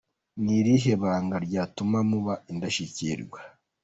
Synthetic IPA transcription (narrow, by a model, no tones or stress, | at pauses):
niɾiɦeβaːŋɡaɾɟaːtumamuβaindaʃiciɾɡwa